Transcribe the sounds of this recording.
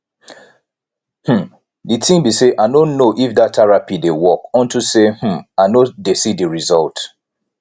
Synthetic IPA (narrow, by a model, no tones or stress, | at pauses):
hm̩ | ditʰĩmbiseʔaɪnõnnːoʔifdatʰːɛɹapidewɔkɔ̃ntusehm̩aɪnodesidiɹizɔlt